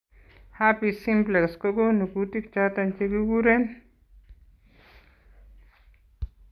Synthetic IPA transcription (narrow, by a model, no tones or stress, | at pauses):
hapisimplekskoɡonukut̪ikt͡ʃat̪ɐnt͡ʃeɡuɡuɾen